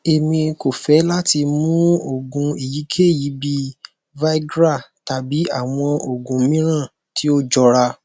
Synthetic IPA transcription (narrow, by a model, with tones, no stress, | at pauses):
e˨mĩ˧ko˨fɛ˨˦la˦ti˧mũ˦o˦˨ɡũ˧i˨ji˨˦kʰe˦˨ji˨˦bi˦ | va˦i˦ɡɾa˦˨ta˨bi˨˦a˦˨w̃ɔ̃˧o˨ɡũ˨˦mĩ˦ɾ̃ã˦˨ | tʰi˨˦o˦d͡ʒɔ˧ɾa˧